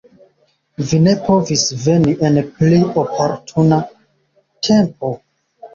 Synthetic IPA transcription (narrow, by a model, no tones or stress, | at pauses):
vine̞pʰovisve̞niʔenpliopʰo̞ɾtʰuna | tʰe̞mpo